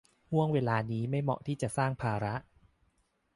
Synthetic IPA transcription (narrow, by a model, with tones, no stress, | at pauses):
hu˥˩əŋweː˧laː˧niː˦˥ma˥˩jmɔ̰˨˩ʔt̪ʰiː˥˩t͡ɕa˨˩ʔsaː˥˩ŋpʰaː˧ɾa˦˥ʔ